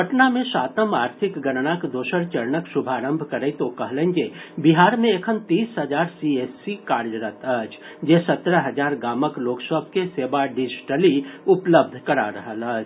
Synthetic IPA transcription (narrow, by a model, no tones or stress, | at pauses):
ɦəʈnamẽʃaːt̪əmaːɾt̪ʰɪkɡənnakd̪oːʃəɾt͡ʃəɾnəksʊbʱaːɾə̃mbʱkɐɾeit̪okɐɦlẽŋd͡ʒeːbiɦaːɾmẽekʰənt̪iːsɦɐd͡ʒaːɾsieːsːikaːɾjəɾət̪əd͡ʒ | d͡ʒeːsɐt̪ɾəɦɐd͡ʒaːɾɡaːməkloːksəb̚ʱkeseːbaɖɪd͡ʒɪʈəliʊpləb̚d̪ʱkɐɾa̰ɾɐɦələːd͡ʒ